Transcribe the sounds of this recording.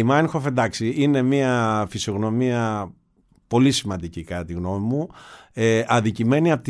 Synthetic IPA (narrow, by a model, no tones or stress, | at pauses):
imɐnxofend̪ɐksiine̞miɐfisio̞ɣno̞miɐ | po̞lisimɐ̃nd̪icikɐt̪iɣno̞mimueɐðicime̞niɐpot̪